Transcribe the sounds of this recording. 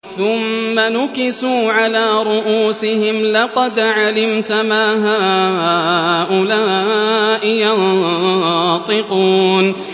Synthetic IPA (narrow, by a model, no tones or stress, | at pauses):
θʊmːanʊkɪsuːʕalaːɾˤʊʔuːsɪhɪmlɑqɑd̪ʕalɪmt̪amaːɦaː | ʔʊlaːʔɪjan | t̪ˤɪquːn